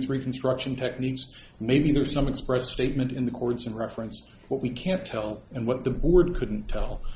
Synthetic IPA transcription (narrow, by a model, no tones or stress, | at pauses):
θɹikʰn̩stɹ̥ʌkʃɨ̃n̩tʰɛk̚niks | meɪbiðə˞z̥sʌ̃mɨkspɹɛsteɪt̚mɨ̃ntɨ̃nðɨkʰɔɹdzɨ̃nɹɛfɹɨ̃ns | wʌt̚wikʰæ̃ntʰɛlˠɨ̃nwʌt̪̚ðɨbɔɹd̚kʰʊdⁿn̩tʰɛlˠ